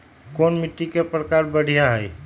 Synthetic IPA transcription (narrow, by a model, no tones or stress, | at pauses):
konmit̪ːikepɾəkaɾbəɽ̤ʱijaɦəj